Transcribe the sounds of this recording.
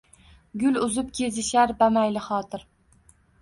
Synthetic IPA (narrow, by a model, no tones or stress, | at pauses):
ɡʲʊlʊzɪp̚kʲʰe̞zɪʃaɾbamajlɪχɒt̪ʰɪɾ